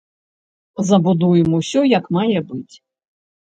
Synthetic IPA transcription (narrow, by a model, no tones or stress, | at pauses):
zɐbud̪ujɛmusʲɔjɐkmajɛbɨt͡sʲ